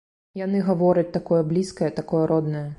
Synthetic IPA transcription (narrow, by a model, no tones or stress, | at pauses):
janɨɣavɔɾɐt͡sʲt̪akɔjɐblʲiskɐjɐt̪akɔjɐɾʔɔd̪nɐjɐ